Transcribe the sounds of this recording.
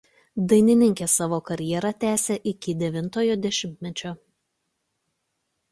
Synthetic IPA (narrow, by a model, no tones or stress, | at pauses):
d̪ɐɪnʲɪnʲɪŋʲkʲeːsɑːʋoːkɐɾʲjiɛɾɐt̪ʲæːsʲeʔɪkʲɪd̪ʲɛʋʲɪnˑt̪oːjoːd̪ʲɛʃʲɪmʲt̪ʲmʲɛt͡ʃʲoː